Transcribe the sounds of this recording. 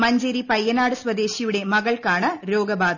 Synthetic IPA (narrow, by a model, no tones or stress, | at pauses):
mɐɲd͡ʒeɾipɐjːɐnaːɽɯsʋɐd̪eːʃijɯɽemɐɣɐɭkaːɳɐɾoːɡɐbaːð